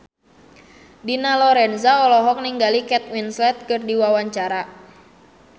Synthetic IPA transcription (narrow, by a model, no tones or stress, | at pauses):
dinalɔɾɛnzaɔlɔɦɔk̚niŋɡalikɛt̪̚winslɛt̪̚kɨrdiwawaɲt͡ʃaɾa